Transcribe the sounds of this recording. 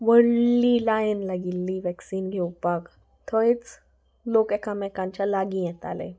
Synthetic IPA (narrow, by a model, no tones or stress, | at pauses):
ʋəɽlilajnlaɡilːiʋɛksiːnɡʱɛwpak | t̪ʰɔit͡s | lokɛkamɛkãɲt͡ɕalaɡĩjɛt̪a̰lḛ